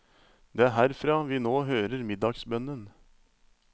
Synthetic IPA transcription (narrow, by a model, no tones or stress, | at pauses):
d̪eːæɾɦæːɾfɾɑːʋiːnoːɦøːɾəɾmɪd̪ɑɡsbœnən